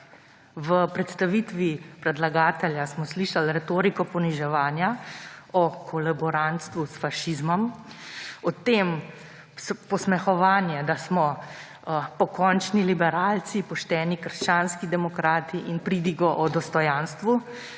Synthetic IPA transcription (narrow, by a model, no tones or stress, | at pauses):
ʋəpɾɛt̪st̪aʋiːt̪ʋipɾɛd̪laɡaːt̪ɛljasmɔsliʃalɾɛt̪oːɾikɔpɔniʒɛʋaːnjaɔkʰɔlabɔɾant̪st̪ʋusfaʃizmɔm | ɔt̪eːm | spɔsmɛxɔʋaːnjɛd̪asmɔ | pɔkɔnt͡ʃnilibɛɾaːlsipɔʃt̪ɛːnikəɾʃt͡ʃaːnskid̪ɛmɔkɾaːt̪iʔinpɾid̪iɡɔʔɔd̪ɔst̪ɔjaːnst̪ʋu